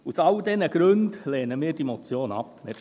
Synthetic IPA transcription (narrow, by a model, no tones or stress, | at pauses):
usɑld̪ɛnəɡ̥ɾɵndleːnəmiːɾd̥imɔt͡sjoːnɑ̰p̚nɛt